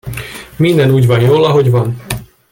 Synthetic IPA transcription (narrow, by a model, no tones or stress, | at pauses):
mind̪ɛnuːɟʋɒnjoːlɒɦo̞ɟʋɒn